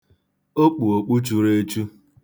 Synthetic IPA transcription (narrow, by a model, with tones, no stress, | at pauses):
o˦k͡pu˨o˨k͡pu˦t͡ʃu˦ɾe˦e˦t͡ʃu˦